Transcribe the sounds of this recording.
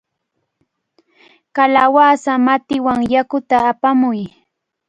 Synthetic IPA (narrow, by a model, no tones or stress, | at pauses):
kalawasamat̪ɪwaŋjakʊt̪aːpamʊj